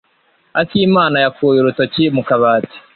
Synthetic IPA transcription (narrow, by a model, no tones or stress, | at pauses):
atiːmaːnajakuːjuɾutocimukaβaːti̥